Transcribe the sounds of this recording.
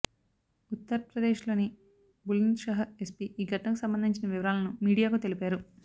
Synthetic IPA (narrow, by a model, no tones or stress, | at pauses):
ut̪ːɐɾɐpɾɐd̪eːʃlo̞ːni | bulinʃɐɦɐe̞spiiːɡʱɐʈɐnɐkusɐmbɐnd̪iɲt͡ʃinɐʋiʋɐɾaːlɐnumiːɽijaːkut̪e̞lipaːɾu